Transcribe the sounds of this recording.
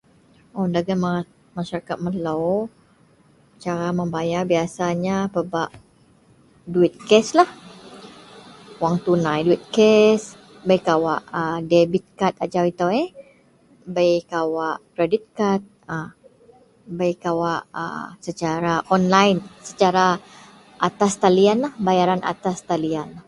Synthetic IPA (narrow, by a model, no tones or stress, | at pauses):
ondaɡama | maʃaɾakat̪̚məlow | t͡ʃaɾaməmbajabiasaɲapəbaʔ | duit̪̚kɛslah | waŋt̪unãjduit̪̚kɛs | bəjkawaʔədebit̪̚kat̪ad͡ʒawit̪awe | bəjkawaʔkɾedit̪̚kat̪̚ | ə | bəjkawaʔə̰sət͡ʃaɾaʔɔnlajnsət͡ʃaɾa | ʔat̪ast̪alianlahbajaɾanʔa̰t̪ast̪alian